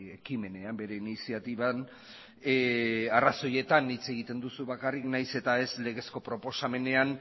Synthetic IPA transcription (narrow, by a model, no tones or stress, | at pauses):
ekime̞ne̞ambe̞ɾe̞inisiat̪iβan | araso̞je̞t̪anit͡se̞ɣ̞it̪e̞nd̪usuβakariknajse̞t̪ae̞sle̞ɣe̞sko̞pɾo̞po̞same̞ne̞an